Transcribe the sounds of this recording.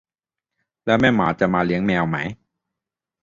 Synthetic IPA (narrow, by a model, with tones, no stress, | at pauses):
lɛː˦˥wmɛː˥˩ma̰ː˨˥t͡ɕa˨˩maː˧li˦˥əŋmɛː˧wma˦˥j